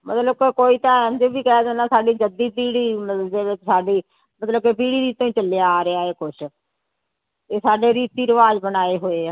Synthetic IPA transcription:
mət̪ləb̚kekoːiːt̪ãːɛ̃nd͡ʒebiːkɛd̪enãːsaːɖiːd͡ʒəd̪iːpiːɽiːmd͡ʒeːesaːɖiː | mət̪ləb̚keːp̬iːɽiːɾiːt̪õːĩːt͡ʃəljaːɾeaːɦeːkʊʃʰ | t̪eːsaːɖeːɾiːt̪iːɾəʋaːd͡ʒbənaːeːɦoːeː

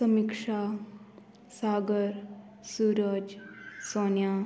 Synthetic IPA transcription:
səmikʂa | saːɡəɾ | suːɾəd͡ʒsoːnjaː

